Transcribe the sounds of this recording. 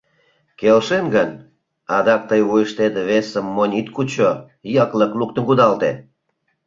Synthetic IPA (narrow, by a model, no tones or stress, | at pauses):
kelʃemɡən | ɑd̪ɑk̚t̪əjujəʃt̪ed̪eβesəmːonʲit̪kut͡ɕo | jɑkləkluk̚t̪ə̆nkud̪ɑlt̪ḛ